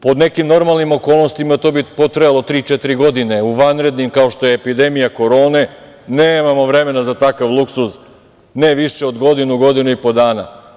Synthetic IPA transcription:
po̞d̪ne̞kimno̞ɾmalˠnimo̞ko̞ːlˠno̞st̪imat̪o̞ːbipo̞t̪ɾajalot̪ɾiːt͡ʃet̪iɾiɡo̞d̪ine̞uʋanɾe̞d̪nimkao̞ʃt̪o̞jeːpid̪e̞mijako̞ɾo̞ːne̞ | neːmamo̞ʋɾe̞me̞nazat̪akaʋlˠuksus | ne̞ʋiʃeo̞d̪ɡo̞d̪inuɡo̞d̪inuipo̞d̪aːna

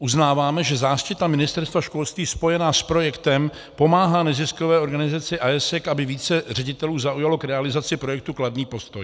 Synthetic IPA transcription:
ʔuznaːvaːmɛʒɛzaːʃcɪt̪amɪnɪst̪ɛɾst̪vaʃko̞lst̪viːspo̞jɛnaːspɾo̞jɛkt̪ɛm | po̞maːɦaːnɛzɪsko̞vɛːo̞ɾɡanɪzat͡sɪʔajɛsɛkʔabɪviːt͡sɛr̝ɛɟɪt̪ɛluːzaʔujalo̞kɾɛalɪzat͡sɪpɾo̞jɛk̚t̪ukladniːpo̞st̪o̞j

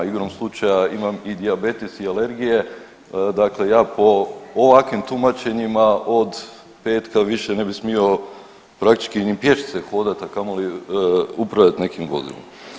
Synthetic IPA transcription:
iɡɾomslˠut͡ʃajaimamid̪iabe̞t̪isiale̞ɾɡije̞ | d̪akle̞jaːpo̞ːʋakʋimt̪umat͡ɕe̞ɲimaod̪ | pe̞ːt̪kaʋiʃene̞bismio̞ | pɾakt̪i̥t͡ʃkinipje̞ʃt̪se̞xo̞ːd̪at̪akamoli | upɾaʋjat̪ne̞kimʋo̞̰zḭlo̰m

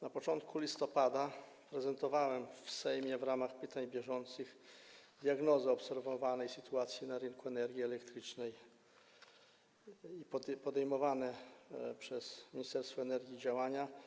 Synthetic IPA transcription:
napɔt͡ʂɔnt̪kulʲist̪ɔpad̪a | pɾɛzɛnt̪ɔvawɛmfsɛjmʲjɛvɾamaxpɘt̪aɲbʲjɛʐɔnt̪sɘxd̪ʲjaɡnɔzɘɔpsɛɾvɔvanɛjsɘt̪uat̪sʲjinaɾɘŋkuɛnɛɾɡʲjiɛlɛkt̪ɾɘt͡ʂnɛj | ipɔd̪ɛjmɔvanɛpʂɛz̥mʲiɲist̪ɛɾst̪fɔɛnɛɾɡʲiːd͡ʑawaɲa

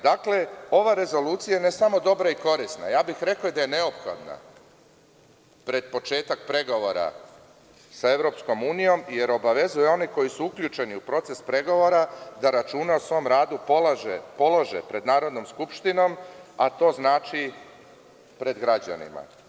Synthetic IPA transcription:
d̪akle̞o̞ʋaɾe̞zo̞luːt̪sijajenesamo̞d̪o̞bɾaiko̞ɾisna̰jaːbixɾe̞kaod̪aje̞ne̞o̞pxo̞̰d̪na̰ | pɾe̞d̪̚po̞t͡ʃe̞ːt̪ak̚pɾe̞ɡo̞ʋo̞ɾa̰ | sae̞ʋɾo̞ːpsko̞muːnijo̞mje̞ɾo̞baʋe̞zujeo̞niko̞jisuukʎʲuːt͡ʃe̞niupɾo̞t̪se̞spɾe̞ɡo̞ʋo̞ɾad̪aɾat͡ʃuneosʋo̞mɾaːd̪upolaʒepo̞laʒḛpɾe̞d̪naːɾo̞d̪no̞mskupʃt̪ino̞mat̪o̞ːznaːt͡ʃi | pɾe̞d̪ɡɾad͡ʑa̰nḭma̰

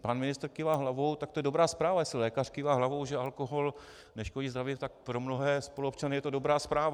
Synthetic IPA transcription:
panmɪnɪst̪ɾkɪvaɦlavowt̪ak̚t̪ojɛdo̞bɾaːspɾaːvajɛslɪlɛːkar̥kɪvaːɦlavowʒɛʔalkoɦo̞l | nɛʃkoliːzd̪ɾavɪt̪ak̚pɾo̞mno̞ɦɛːspo̞luop̚t͡ʃanɪjɛt̪odo̞bɾaːspɾaːva

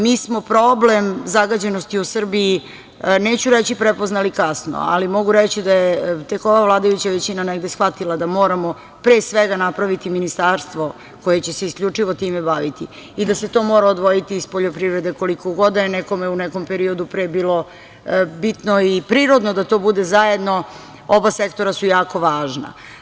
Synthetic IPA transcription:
miːsmo̞pɾoblemzaɡad͡ʑe̞nost̪iusr̩bii | neːt͡ɕuɾet͡ɕipɾepoznalikasno̰a̰limoɡuɾet͡ɕid̪ajet̪eko̞ʋavlˠaːd̪ajut͡ɕaʋet͡ɕinaneɡd̪esxʋat̪ilˠad̪amo̞ːɾamo̞ | pɾesʋeɡanapɾaʋit̪iminist̪aːɾst̪ʋo̞ | ko̞je̞t͡ɕe̞seiskʎʲut͡ʂiʋot̪iːmebaʋit̪i | id̪ase̞t̪o̞ːmoɾaod̪ʋo̞jit̪iːspoʎo̞pɾiʋɾed̪e̞ko̞liko̞ɡo̞d̪nɛko̞meunɛko̞mpeɾio̞d̪upɾebiːlo̞ | bit̪noipɾiːɾod̪nod̪at̪o̞ːbud̪ezajed̪no̞ | obasekt̪o̞ɾasujaːko̞ʋaːʒna̰

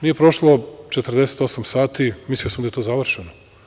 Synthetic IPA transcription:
nije̞pɾo̞ʃlˠo̞t͡ʃet̪r̩d̪ese̥t̪o̞samsaːt̪imislijosamd̪aet̪oːzaʋr̩ʃeno

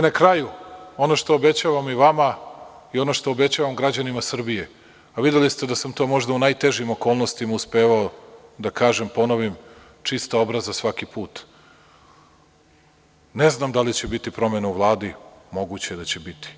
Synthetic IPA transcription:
nakɾajuo̞noʃt̪o̞ːbe̞t͡ɕaʋamiʋama | io̞no̞ʃt̪o̞obe̞t͡ɕaʋamɡɾad͡ʑanimasr̩bije | aʋid̪jelist̪e̞d̪asamt̪o̞ːmo̞ʒd̪aunajt̪e̞ʒimo̞ko̞ːlˠno̞st̪imauspeːʋaod̪akaːʒempo̞no̞ʋim | t͡ʂist̪aobɾazasʋakipuːt̪ | neznamd̪alit͡ɕe̞bit̪ipɾo̞me̞nauʋlˠaːd̪imo̞ɡut͡ɕed̪at͡ɕebit̪i̥

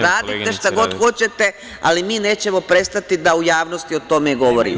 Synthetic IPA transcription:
ɾaːd̪it̪eʃt̪aɡo̞d̪xo̞t͡ɕet̪e | a̰limiːne̞ːt͡ɕe̞mo̞pɾe̞st̪at̪id̪aujaːʋnost̪io̞t̪o̞meɡo̞ʋoɾḭm

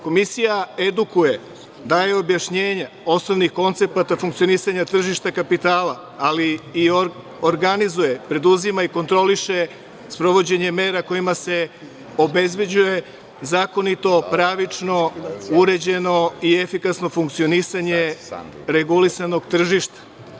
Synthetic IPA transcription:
ko̞misijae̞d̪ukuje̞ | d̪aːje̞o̞bjaʃɲeːɲa | o̞snoʋnixko̞nt̪se̞pat̪afuŋkt̪sio̞nisaɲat̪r̩ʒiʃt̪akapit̪aːla | aliːo | oɾɡanizuje̞pɾe̞d̪uzimaiko̞nt̪ɾo̞liʃe̞ | spɾo̞ʋo̞d͡ʑe̞ɲe̞me̞ːɾako̞jimase̞ | o̞be̞zbje̞d͡ʑuje̞ | zaːko̞nit̪o̞pɾaʋit͡ʃno̞uɾe̞d͡ʑe̞no̞ie̞fikasno̞fuŋkt̪sio̞nisaɲe̞ | ɾe̞ɡulisano̞ɡt̪r̩ʒiʃt̪ḁ

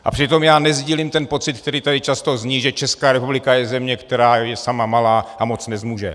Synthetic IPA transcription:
ʔapr̝̥ɪt̪o̞mjaːnɛzɟiːlimt̪ɛnpo̞t͡sɪt̪̚k̚t̪ɛɾiːt̪adɪt͡ʃast̪o̞zɲiʒɛt͡ʃɛskaːɾɛpublɪkajɛzɛmɲɛkt̪ɛɾaːjɛsamamalaːʔamo̞t͡snɛzmuːʒɛ

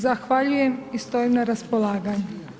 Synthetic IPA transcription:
zaxʋaʎuje̞mist̪o̞imnaɾaspolˠaːɡaɲu

